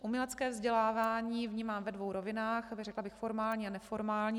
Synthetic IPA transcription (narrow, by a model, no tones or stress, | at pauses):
ʔumɲɛlɛt͡skɛːvzɟɛlaːvaːɲiːvɲiːmaːmvɛdvo̞wɾovɪnaːxrɛklabɪxfo̞ɾmaːlɲiːanɛfo̞ɾmaːlɲiː